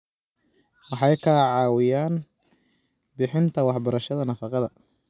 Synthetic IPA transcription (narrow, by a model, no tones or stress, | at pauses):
wɑħɑjkʰɐʕɑːwɪjaːn | bɪħɪnt̪ʰɐwɑħbɐɾɐʃɐðɐnɐfɑqɑðɐ